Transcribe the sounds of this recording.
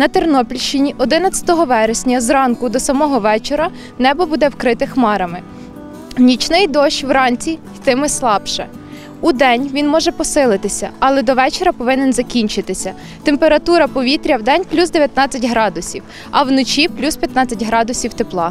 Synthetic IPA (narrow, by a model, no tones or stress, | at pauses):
nɐt̪ernɔpʲilʲʃt͡ʃɪnʲiʔɔd̪ɪnɐt͡sʲɐ̥t̪ɔɦɔʋɛɾesʲnʲɐzɾɑnkʊd̪ɔsɐmɔɦɔʋɛt͡ʃeɾɐ | nɛbɔbud̪ɛwkɾɪt̪ɪxmɑɾɐmɪ | nʲit͡ʃnɪjd̪ɔʃwɾɑnʲt͡sʲi | t̪ɪmɪslˠɑbʃɛ̰ | ud̪ɛnʲʋʲinmɔʒɛpɔsɪlˠɪt̪ɪsʲɐ̰ɐlˠɛd̪ɔʋɛt͡ʃeɾɐpɔʋɪnɛnzɐkʲinʲt͡ʃɪt̪ɪsʲɐ | t̪empeɾɐt̪uɾɐpɔʋʲit̪ɾʲɐwd̪ɛnʲplʲuzd̪eʋʲjɐt̪nɑt͡sʲːɐtʲɦɾɑd̪ʊsʲiw | ɐwnɔt͡ʃʲiplʲuspʲjɐt̪nɑt͡sʲːɐtʲɦɾɑd̪ʊsʲiwt̪eplˠɑ